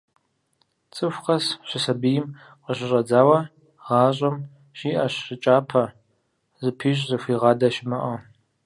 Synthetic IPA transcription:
t͡sʼɨfʷqɐsɕʷɪsɐbɨjɪm | qəɕɪɕʼɐd͡zaːwɐ | ʁɑːɕʼɐm | ɕiːʔɐɕɪt͡ʃʼaːpʰɐ | zɨpʰiːɕʼzɨfʷiːʁɑːdɐʃɪmɐʔɐ

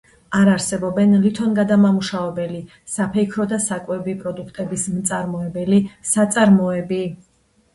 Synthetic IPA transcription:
aɾaɾsɛbɔbɛnlit̪ʰɔnɡad̪amamuʃavɛbɛli | sapʰɛkʰɾɔd̪asakʼwɛbipʼɾɔd̪ukʰt̪ʼɛbismt̪sʼaɾmɔɛbɛlisat̪sʼaɾmɔɛbi

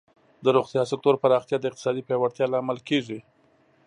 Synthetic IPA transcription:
d̪əɾoxt̪jɑsɪk̚t̪oɾpaɾɑxt̪jɑd̪əɪqt̪ɪ̥sɑd̪ipjɑwaɽt̪jɑlaːmalkeʐi

